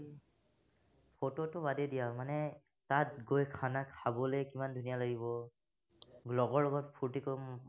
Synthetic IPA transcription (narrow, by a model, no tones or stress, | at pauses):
pʰototʊbadedijamanɛ | tat̚ɡojkʰanakʰabɔlejkimandʱunijaloɡibɔ | ɡlɔɡɔɹɔɡɔtpʰuɹtikɔ